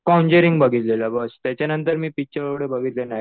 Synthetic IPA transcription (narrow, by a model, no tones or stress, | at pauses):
kawɲd͡ʑeɾiŋɡbəɡʱiːt̪lelabəst̪jat͡ɕjanənt̪əɾmiːpik̚t͡ɕəɾəʋɽebəɡʱiːt̪lena